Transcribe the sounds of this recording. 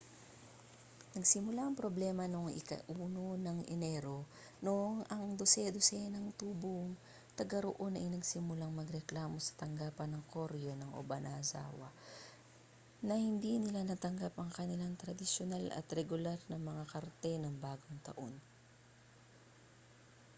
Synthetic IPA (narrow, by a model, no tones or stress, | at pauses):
nɐɡsɪmʊlaʔɐŋpɾoblɛːmɐnoŋʔɪ̰kɐ̰ʔuːnonɐŋʔɛnɛːɾo̞ | noʔoŋʔɐŋd̪osɛd̪osɛnɐŋt̪uːboŋ | t̪ɐɡaɾoʔo̞nʔɐ̰jnɐɡsɪmʊlaŋmɐɡɾɛklaːmo̞sɐ̥t̪ɐŋɡaːpɐnɐŋkoɾjo̞nɐŋʔo̰bɐnʔaza̰ːwɐ̰ | nɐhɪnd̪inɪlanɐt̪ɐŋɡapɐŋkɐnɪlaŋt̪ɾɐd̪ɪsjonalɐ̰t̪ɾɛɡʊlaɾnɐŋmɐŋakɐɾt̪ɛnɐŋbaːɡoŋt̪ɐ̰ʔo̞n